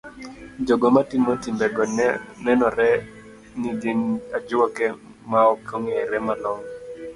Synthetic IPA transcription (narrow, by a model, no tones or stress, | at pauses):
d͡ʒoɡɔmatimotimbɛɡɔnɛnɔɾɛ | niɡinad͡ʒʊɔkɛ | maɔkoŋeɾɛmalɔŋ